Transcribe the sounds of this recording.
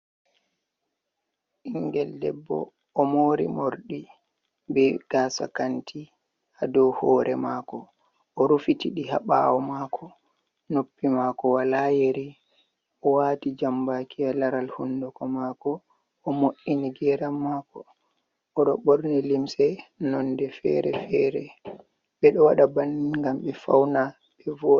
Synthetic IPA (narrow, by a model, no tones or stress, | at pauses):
ʔiŋɡɛldɛ̰bːɔ̰ː | moːɾḭmoɾɗi | bɛɡ̥aːsa̰kantʰi | hadɔhɔːɾɛmaːkɔ | ʔɔɾufitiɗiɦa̰ɓa̰wɔmakʰɔ | nopːimaːkɔwalajeɾi | ʔɔwaːtid͡ʒambakialaɾalhundɔkɔmakɔː | moʔːiniɡɛɾamːaːkɔː | ɗɔɓɔɾnɛlimsɛnɔndɛfɛ̰ɾɛ̰fɛɾɛ | ɓɛɗɔwaɗabanŋɡamɓɛfa̰wna | ɓɛvɔ